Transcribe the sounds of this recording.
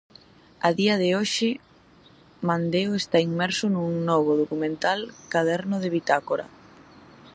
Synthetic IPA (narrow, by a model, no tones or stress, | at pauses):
aðiɐðɪoʃɪ | mand̪eoest̪aiŋmɛɾsʊnuŋnɔβʊðokumẽnt̪alkaðɛɾnʊðɪβit̪akoɾa̰